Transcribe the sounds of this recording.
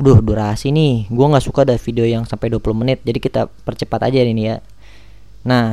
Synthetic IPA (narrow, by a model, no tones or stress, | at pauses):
dʊhduɾasiniɡuaŋɡaʔsukaudafideojaŋsampajduapulʊhmənɪt̪̚d͡ʒadikit̪a̰pərt͡ʃəpat̪a̰d͡ʒaninija | na